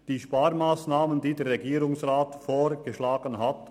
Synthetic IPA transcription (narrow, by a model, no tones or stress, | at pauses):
d̥iːʃpaːɾmaːsnaːməndiːdɛːɾʁɛɡiːɾʊŋsʁaːtfoːɾɡ̥əʃlaːɡ̥ənɦat